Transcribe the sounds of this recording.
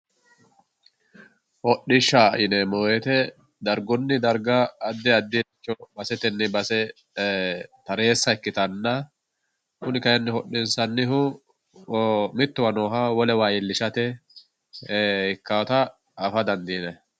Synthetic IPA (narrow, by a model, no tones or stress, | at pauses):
hɔɗːɪʃːaɪnɛmoːɛt̪ɛ | d̪ɐɾɡɔnːɪd̪ɐɾɡɐːd̪ːɛɐd̪ːɪt͡ʃːɔbɐsɛt̪ɛnːɪbɐsɛ | t̪ɐɾe̞ːsːɐɪkːɪt̪ɐnːɐ | kʊnɪkɐjɐnːɪhɔɗɪnsɐnːɪɦʊ | mɪt̪ːʊwɐnoːɦawɔlɛwaːjɪlːɪʃɐt̪ɛ | ɪkːawt̪ɐː | fɐd̪ɐnd̪iːnɛ